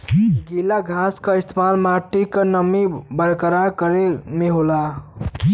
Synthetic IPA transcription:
ɡilaɡʱaskəist̪ʰemalmaʈikənəmibəɾkɾakəɾemeɦola

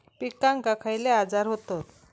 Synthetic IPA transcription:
pikːaŋkakʰajlead͡zaɾɦot̪ot̪

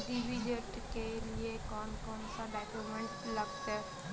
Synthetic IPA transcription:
ɖiʋid͡ʒəʈkeliekɔːnkɔːnsaɖaːkjumẽɳʈləɡt̪ɛ

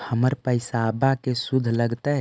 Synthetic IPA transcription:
həməɾpəɪsabakesud̪ʱləɡt̪ə

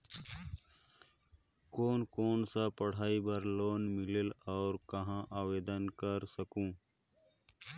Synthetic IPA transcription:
koːnkoːnsapəɽ̤aːibəɾloːnmɪlelɔːɾkɐɦãʔaːweːd̪ənkəɾsəkũː

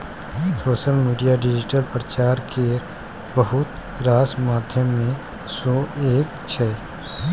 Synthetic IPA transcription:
soːʃəlmiːɖijaɖɪd͡ʒɪʈəlpɾət͡ʃaːɾke | bəɦʊt̪ | ɾaːsmaːd̪ʱjəmːẽ | sɔːeːk | t͡ʃʰɛː

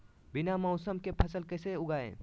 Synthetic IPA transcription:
binamɔʊsəmkepʰəsəlkəseʊɡaːḛ̃

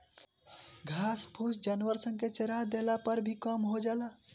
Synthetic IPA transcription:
ɡʱaspʰusd͡ʒanʋəɾsə̃ŋket͡ʃeɾad̪elapəɾbʱikəmɦod͡ʒala

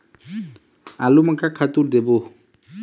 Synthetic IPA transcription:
alumakakʰat̪uɾd̪ebo

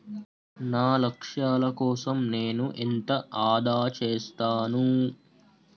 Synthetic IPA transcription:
naːlɐkʂaːlɐkɔːsɐmneːnuʔent̪ɐaːd̪ʱaːt͡ʃeːst̪aːnu

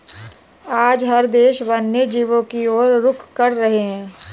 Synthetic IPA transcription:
aːd͡ʒɦɐɾd̪eːʃʋanːed͡ʒiːʋõkioːɾːʊkʰkɐɾɾɐɦeɦɛ̃ː

